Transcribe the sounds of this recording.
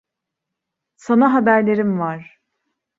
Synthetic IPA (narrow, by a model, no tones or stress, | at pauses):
sanaɦabæɾlʲe̞ɾimvaɾ̥